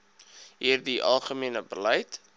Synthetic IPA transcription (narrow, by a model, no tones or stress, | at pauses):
ɦiːrdiʔɐ̰lˠχəmiənəbəlɛjt